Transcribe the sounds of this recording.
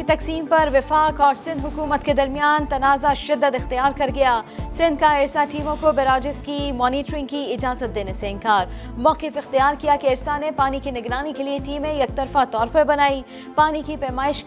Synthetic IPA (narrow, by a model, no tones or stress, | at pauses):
et̪ɐksiːmpɐɾʋɪfaːkɔːɾsɪ̃nd̪ɦʊkuːmət̪ked̪ɐɾmijaːnt̪ɐnaːzaʃɪd̪ːəd̪ɪxt̪ijaːɾkɐɾɡɐjaːsɪ̃nd̪̚kaeːɾsaʈiːmõkobeɾaːd͡ʒɪskimɔːniːʈɾɪ̃ŋɡkiɪd͡ʒaːzət̪̚d̪eːneseɪ̃nkaːɾmɔːkɪfɪxt̪ijaːɾkijakeɪːɾsanepaːnikinɪɡɾaːnikelieʈiːmẽjɐk̚t̪ɐɾfat̪ɔːɾpɐɾbɐnaːi | paːnikipɛːmaːɪʃ